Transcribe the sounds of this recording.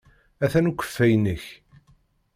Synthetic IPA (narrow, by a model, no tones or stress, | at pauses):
æθænukʷːə̥fːæjnəç